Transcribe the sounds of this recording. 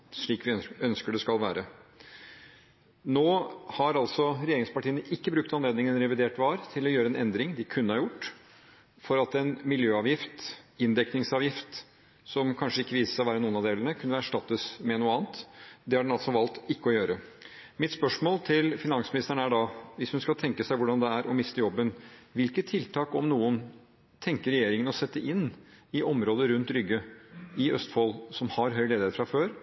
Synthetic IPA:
ʂɭiːkʋɪœnskəɖɛskɑlʋæːɾə | noːhɑɾɑlsɔɾɛjeːɾɪŋspɑʈʰiːənəʔɪkːəbɾʉk̚t̪ɑnleːd̪nɪŋənɾɛʋɪd̪eːʈʋɑːɾt̪ʰɪlɔjøːɾəɛnɛnd̪ɾɪŋd̪ɪkʰʉnːəhɑɾjʊʈː | fɔɾɑt̪ɛnmɪljøːɑːʋjɪft̪ɪnd̪ɛknɪŋsɑːʋjɪft̪ | sɔmkʰɑnʂəɪkːəʋiːsə̥sæɔʋæːɾənuːənɑʋd̪eːlənəkʰʉnːəæʂʈɑt̪ːəsmɛnuːəɑːnt̪d̪ɛhɑɖɛnɑlt̪sɔʋɑlt̪ɪkːəɔjøːɾə | mɪt̪spœʂmoːlt̪ʰɪlfɪnɑnsmɪnɪst̪əɳəæɖɑʋɪshʉnskɑt̪ʰɛŋkəsæɪʋʊɖɑnd̪ɛæɾʔɔmɪst̪əjɔbːənʋɪlkət̪ʰːɪlt̪ʰɑːkɔmnuːən | t̪ʰɛŋkəɾɛjeːɾɪŋənɔsɛt̪ːəʔɪnːɪʔɔmɾoːd̪əɾʉnt̪ɾʏɡːəɪʔœst̪fɔlsɔmhɑɾɦœʏleːd̪ɪeːt̪fɾɑføːɾ

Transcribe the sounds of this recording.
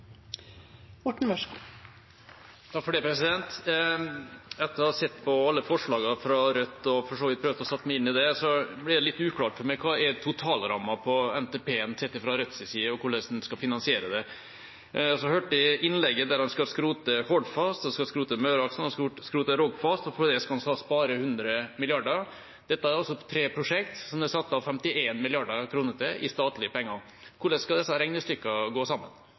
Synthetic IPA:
mɔʈːɳ̩mœʂk | t̪ʰɑkfɔɖɛpʰɾɛsɪd̪ɛnt̪ | ɛt̪ːəsɛt̪ːpʰɔɑlːəfɔʂɭɑːɡɑfɾɑɾœt̪ːɔfɔʂoːʋɪt̪̚pʰɾøːʋd̪əɔsɑt̪ːmɛɪɪnːɪd̪ɛsɔblɪd̪ɛlɪt̪ːʉːkʰlɑːʈfɔɾmɛkʰɑːɛt̪ʰʊt̪ʰɑːlɾɑ̰mɑpʰɔɛnt̪ɛːpʰeːɛnsɛt̪ːɪfɾɑɾœt̪ːsɪsiːəɔkʰʊɭɛsnskɑfɪnɑnsɪeːɾəd̪ɛ | ɔsɔhøːʈɪɪnlɛɡːəd̪æɾɑnskɑskɾuːt̪əhoːd̪fɑst̪ɔskɑskɾuːt̪əmøːɾɑksnɑsskɾuːt̪əɾɔɡfɑst̪ɔfɔd̪ɛskɑɑnsɑspɑːɾəhʉnd̪ɾəmɪlɪɑɖəɾ | d̪̥ɛt̪ːəæɾɔsːɔt̪ʰɾeːpʰɾʊʂɛk̚t̪sɔmd̪ɛsɑt̪ːəɑʋfɛmt̪ɪʔeːnmɪlɪɑɖəkʰɾuːnəɾt̪ɪʔɪst̪ɑːt̪lɪəpʰɔɛŋːɑŋ | kʰʊɭɛskɑd̪ɛsːɑɾɛŋnəst̪ʏkːɑɡoːsɑmːə̰n

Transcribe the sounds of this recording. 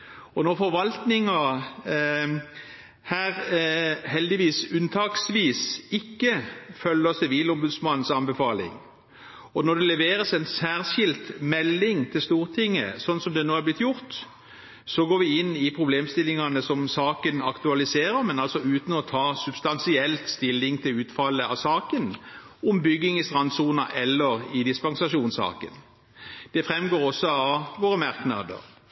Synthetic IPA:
ɔnɔʁfɔɾʋɑlt̪nɪŋɑ | hæːɾ | hɛld̪ɪʋiːsʉnt̪ʰɑːksʋiːsɪkːəfœlːəsɪʋiːlɔmbʉd̪smɑnːn̩sɑnbɛfɑːlɪ̰ŋ | ɔnɔd̪ɛlɛʋeːɾəsɛnsæːʁɕɪlt̪mɛlːɪŋt̪ʰɪlst̪uːʁt̪ʰɪŋːə̰sɔnsɔmd̪ɛnoːæʁblɪt̪ːjʊʁt̪ | sɔɡoːɾʋɪɪnːɪpʰʁʊbleːmst̪ɪlːɪŋɑnəsɔmsɑːkənɑkt̪ʉɑlɪseːɾəɾmɛnɑlsɔʉːt̪ənɔt̪ʰɑːsʉb̥st̪ɑnsɪɛlt̪st̪ɪlːɪŋt̪ʰɪlʉːt̪fɑlːəɑsɑːkən | ʊmbʏɡːɪŋɪst̪ʁɑnd̪suːnɑʔɛlːəɾɪd̪ɪspɑŋsɑʂuːnsɑ̰ːkə̰n | d̪̥ɛfʁɛmɡoːʁɔsːɔɑʋoːɾəmɑʁknɑ̰d̪ə̰ʁ

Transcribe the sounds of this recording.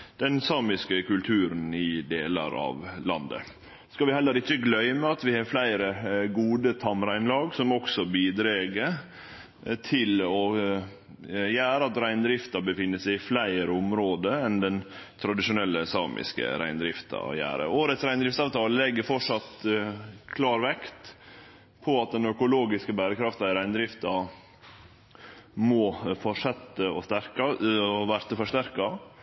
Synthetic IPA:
d̪̥ɛnsɑːmɪskəkʉlt̪ʰʉːɾənɪd̪eːlɑ̰ɾɑ̰ːʋlɑnd̪ə̰ | skɑlʋɪhɛlːəɾɪçːəɡlœʏməɑt̪ʋɪhɑflæɪɾəɡuːd̪ət̪ʰɑmɾæɪnlɑːɡsɔmɔksɔbiːd̪ɾeːɡəɾ | t̪ʰɪlɔ | jæːɾəɑt̪ɾæɪnd̪ɾɪft̪ɑbəfɪnːəsæɪɪflæɪɾəʊmɾoːd̪əɛnd̪ɛnt̪ʰɾɑd̪ɪʂʊnɛlːəsɑːmʔɪ̰skə̰ɾæ̰ɪnd̪ɾɪft̪ɑ̰jæ̰ːɾə̰oːɾət̪sɾæɪnd̪ɾɪft̪ɑːʋt̪ʰɑːllɛɡːəɾfɔʂɑt̪ | kʰlɑːɾʋɛkt̪ | pʰɔɑt̪̚d̪ɛnœkʊloːɡɪskəbæːɾəkʰɾɑft̪ɑɪɾæɪnəd̪ɾɪft̪ɑ | mɔfɔʂɛt̪ːəɔst̪æɾkɑɔʋæɾt̪əfɔʂt̪æɾkɑ

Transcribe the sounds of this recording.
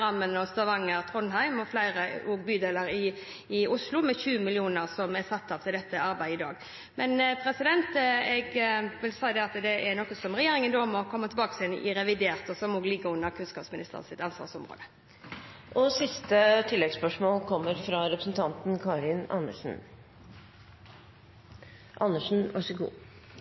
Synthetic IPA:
ɑmːənɔst̪ɑʋɑŋːəɾt̪ʰʁɔnɦæɪmɔflæɪʁəoːɡbyːd̪eːləɾɪː | ʊslʊmɛçʉːəmɪlɪuːnəʁsɔmɛsɑt̪ːɑːʋt̪ʰɪld̪ɛt̪ːəɑɾbæɪd̪ɪd̪ɑ̰ːɡ | mɛnpʰɾɛsɪd̪ɛnt̪ɛɡʋɪlsæɪd̪ɛɑt̪d̪ɛʔɛɾnɔkːəsɔmʁɛjeːɾɪŋənd̪oːmɔkʰɔmːət̪ʰlbɑːkəsɛnʔɪ̰ɾɛʋɪd̪eːʁt̪ɔsɔmɔɡlɪɡːəʉnːəɾkʰʉnskɑ̰ːpsmɪnɪst̪ʰə̰ʁsɪt̪ɑnsʋɑ̰ʁsɔmʁo̰ːd̪ə | ʔɔsɪst̪ət̪ʰɪlːɛɡspœʂmoːlkʰɔmːəɾfɾɑɾɛpɾəsn̩t̪ʰɑnt̪n̩kʰɑːɾɪnɑ̰nːəʂn̩ | ʔɑnːəʂn̩ʋɑ̰ʂəɡṵː

